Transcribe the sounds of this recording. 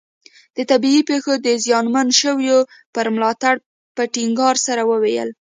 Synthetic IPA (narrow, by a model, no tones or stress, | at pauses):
d̪̥ət̪abiipexod̪əzjɑnmanʃəwjo | pəɾmlɑt̪aɽ | pəʈiŋɡɑɾsaɾawəwejə̰l